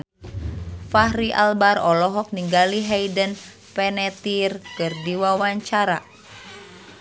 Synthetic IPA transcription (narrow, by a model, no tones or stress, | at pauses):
fahɾiʔa̰lbarɔlɔɦɔk̚niŋɡaliɦɛjdən | pɛnɛt̪irkɨrdiwawaɲt͡ʃaɾa